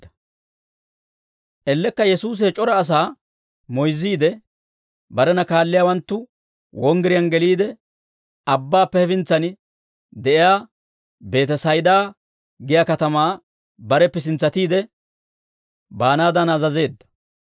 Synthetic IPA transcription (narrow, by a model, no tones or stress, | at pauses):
ɐ | ʔɛlːɛkːɐjɛsuːs̬ɛt͡ʃʼɔɾɐːs̬aː | mɔjzːiːd̪ɛ | bɐɾɛnɐkaːlːɪjaːwɐnt̪ːʊ | wɔŋɡɪɾɪjɐnɡɛliːd̪ɛ | ɐbːaːpːɛhɛfɪnt͡sːɐnɪ | d̪ɛʔɪjaː | be̞ːt̪ɛsɐjd̪aː | ɡɪjaːkɐt̪ɐmaː | bɐɾɛpːɛs̬ɪnt͡sːɐt̪iːd̪ɛ | baːnaːd̪ɐnazɐze̞ːd̪ːɐ̥